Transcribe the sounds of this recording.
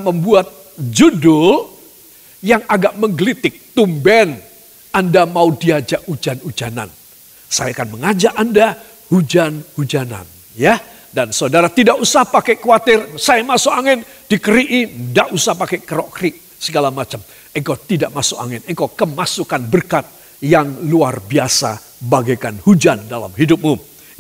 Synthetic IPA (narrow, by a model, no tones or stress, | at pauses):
məmbuat̪̚ | d͡ʒudʊl | jaŋaɡaʔməŋɡlit̪ɪk̚t̪umbɛn | andamaudiad͡ʒaʔud͡ʒanud͡ʒana̰n | sa̰jaakanməŋad͡ʒaʔanda | hud͡ʒanhud͡ʒana̰n | ja | dansaudaɾat̪idaʔusahpakɛkuwat̪ɪrsajamasʊkaŋɪn | d̥ikəɾiʔindaʔusahpakɛkəɾɔʔkɾiʔ | səɡalamat͡ʃam | əŋkawt̪idaʔmasʊka̰ŋɪnəŋkawkəmasukanbərkat̪̚ | jaŋluarbiasa̰ | baɡajkanhud͡ʒandala̰mɦidʊp̚mu